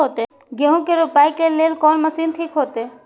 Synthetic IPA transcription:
oːt̪e | ɡeɦũkeɾʊpaːikeleːlkɔːnmɐsiːnt̪ʰiːkɦoːt̪eː

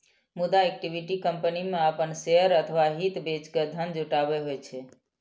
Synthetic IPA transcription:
mud̪aek̚ʈibiʈikəmpənimeəpənseəɾət̪ʰəʋaɦit̪bet͡ʃked̪ʱənd͡ʒuʈabeɦojt͡ʃʰɛ

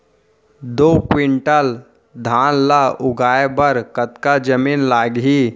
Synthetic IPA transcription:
d̪oːkwɪɳʈəl | d̪ʱaːnlaʊɡaːebəɾkət̪kad͡ʒəmiːnlaːɡɦiː

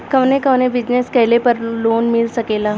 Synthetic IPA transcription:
kəʋnẽkəʋnẽbid͡ʑneskəjlepəɾlonmiɭsəkela

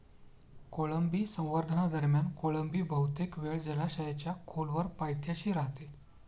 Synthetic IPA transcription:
koləmbiːsə̃w̃ʋəɾd̪ʱənad̪əɾmjankoɭəmbiːbʱəwt̪ekʋeɭd͡ʑəlaɕəjat͡ɕjakʰolʋəɾpajt̪ʰjaɕiːɾaɦt̪e

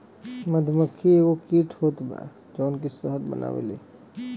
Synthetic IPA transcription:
məd̪ʱəməkʰːieɡokiʈʰɦot̪ba̰ | d͡ʒɔnkisəɦəd̪bə̰nʔa̰ʋḛlḛ

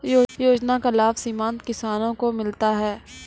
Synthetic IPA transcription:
joːjoːd͡ʒnakɪlaːfsiːmãːnt̪kɪsaːnõkomɪlt̪aɦɛː

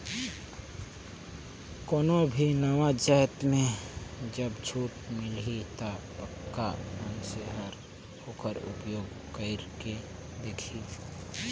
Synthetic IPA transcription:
koːnobʱinəwad͡ʒaːt̪mẽd͡ʒəbd͡ʒʰʱuːʈmɪlit̪apəkːamənseɦəɾ | hoːkəɾʊ̰pjoːɡ | kəɪɾke | d̪eːkʰi

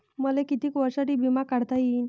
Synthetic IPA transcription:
məlekit̪iːkʋəɾsaʈiːbimakaɽt̪aɦin

